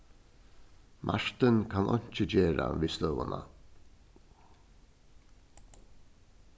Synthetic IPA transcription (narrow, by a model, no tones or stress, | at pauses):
mʔa̰ɹt̪ɪnkʰanʔɔɲ̥t͡ʃɪd͡ʑeːɾa̰ʋiːst̪œːʋana